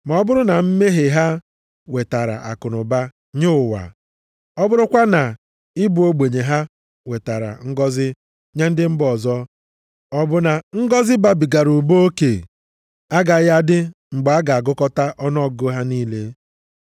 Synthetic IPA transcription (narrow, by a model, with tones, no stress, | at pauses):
ma˨ɔ˦bʊ˦ɾʊ˦na˨m̩˦me˦ɦe˨ɦa˦ | we˨ta˨ɾa̰˨ʔa̰˨kʊ˨nʊ˨ba˦ | ɲʊ˦ʊ˨wa̰˨ | ɔ˦bʊ˦ɾʊ˦kʷa˦na˨ | ɪ˦bu˨o˦ɡ͡be˨ɲe˨ɦa˦ | we˨ta˨ɾa̰˨ŋ̩˦ɡɔ˦zɪ˦ | ɲa˦n̩˦dɪ˦m̩˦bɔ˨zɔ˦ | ɔ˦bʊ˦na˨ŋ̩˦ɡɔ˦zɪ˦ba˦bi˨ɡa˨ɾu˨bo˦o˦ke˨ | a˦ɡa˨ja˦dɪ˦ | ŋ͡m̩˨ɡ͡ba˦ɡa˨a˨ɡʊ˦kɔ˦ta˦ʔɔ˦nɔ˦˨ɡʊ˦ɦa˦niː˦le˦